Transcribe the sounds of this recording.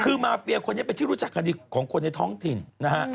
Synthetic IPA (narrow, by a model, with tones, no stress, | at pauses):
kʰɯː˧maː˧fi˧ɐkʰo˧nːi˦˥˩pe˧nt̪iː˥˩ɾu˦˥t͡ɕa˨˩k̚ːa˧ndiː˧kʰɔː˩˦ŋkʰo˧nːa˧jt̪ʰɔː˦˥ŋt̪ʰi˨˩nna˦˥ha˦˥ʔ